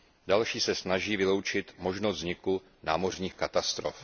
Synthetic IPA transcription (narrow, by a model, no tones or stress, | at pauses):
dalʃiːsɛsnaʒiːvɪlo̞wt͡ʃɪt̪mo̞ʒnost̪zɲɪku | naːmo̞r̝ɲiːxkat̪ast̪ɾof